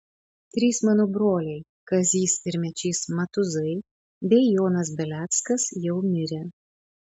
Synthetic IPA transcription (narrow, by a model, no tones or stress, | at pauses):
t̪ʲɾʲiːsmɑːnoːbɾoːlʲɛɪ | kɐzʲiːsɪɾʲmʲɛt͡ʃʲiːsmɐt̪ʊzɐɪ | bʲɛɪjoːnɐs̬bʲɛlʲæːt̪skɐsjɛʊmʲɪɾʲe